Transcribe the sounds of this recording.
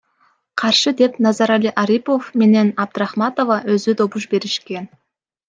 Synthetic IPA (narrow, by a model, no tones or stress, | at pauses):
qʰɑɾʃəd̪e̞pnɑzɑɾalʲiʔaɾʲipo̞fme̞ne̞nɑb̚d̪ɪɾɑχmɑt̪o̞vɑwɵzʏd̪o̞bʊʃbe̞ɾɪʃkʲe̞n